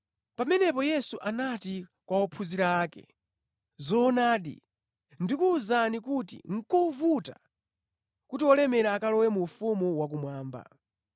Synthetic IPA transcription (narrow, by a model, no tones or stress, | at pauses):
pamɛnɛpɔjɛsuʔanatikwaɔpʰuziɾaːkɛ̰ | zɔːnaːɗḭ | ndikuːzanikutḭŋ̩kɔvuta | kutiɔlɛmɛɾaːkalɔwɛmuɱfumuwak̬umwaːmba̰